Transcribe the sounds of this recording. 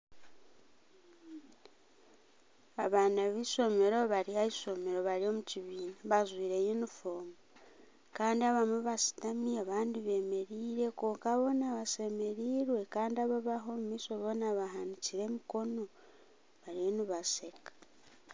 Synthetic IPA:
aβanaβiso̞meɾo̞βaɾiaiso̞meɾo̞βalio̞muciβiːnaβazwiːɾe̞jinifoːmu | kaːndiaβamuβasi̥tamiaβaːndiβe̞me̞ɾiːɾe̞koːŋkaβo̞naβase̞me̞ɾiːɾwe̞kaːndiaβaβaɦo̞mumisoβonaβahaniciɾe̞miko̞no̞ | βaɾionuβase̞kḁ

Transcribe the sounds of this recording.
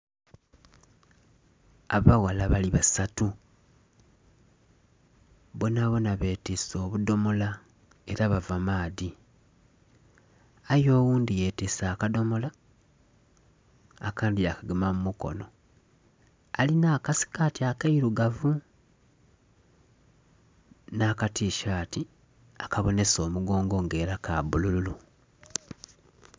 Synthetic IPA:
aβawalaβaliβasatu | βonaβo̞naβe̞ːteso̞ːβudo̞mo̞la | e̞ɾaβavamaːði | ajo̞ːwuːndije̞tesaːkado̞mo̞la | akaːndiakaɡemamumuko̞̰no̞ | alinaːkasi̥katiakaiɾuɡavu | naːkatiːʃaːti | akaβo̞ne̞so̞ːmuɡo̞ːŋɡo̞ŋɡe̞ːɾakabulululu

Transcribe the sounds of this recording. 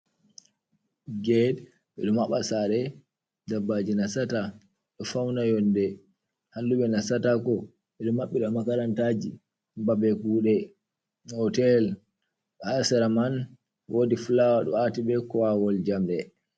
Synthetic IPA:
ɡɛd | ɓɛɗumaɓasaɾɛ | dabːad͡ʒinasata | ɗɔfawnajɔndɛ | halduɓɛnasatakɔ | ɓɛɗumːaɓːiɗamakaɾantad͡ʒḭ | babɛkuɗɛ | hɔtɛl | ɓasɛɾaman | wʔoːdifulawaɗɔ̰atiɓɛkɔwawɔld͡ʒamɗɛ

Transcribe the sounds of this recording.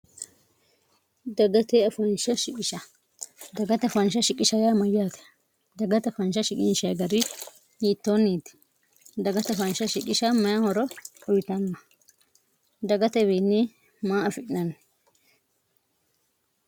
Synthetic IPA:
d̪ɐɡɐt̪ɛɐfɐnʃɐʃɪkʼɪʃɐ | d̪ɐɡɐt̪ɛfɐnʃɐʃɪkʼɪʃɐjamɐjaːt̪ɛ̥ | d̪ɐɡɐt̪ɛfɐnʃɐʃɪkʼɪnʃɐjɡɐɾɪ | jiːt̪ːonːiːt̪ɪ̥ | d̪ɐɡɐt̪ɛɐfɐnʃɐʃɪkʼɪʃɐmɐjahɔɾɔɔjt̪ɐnːɐ | d̪ɐɡɐt̪ɛbeːnːɪ | maːɐfɪʔɪnɐn

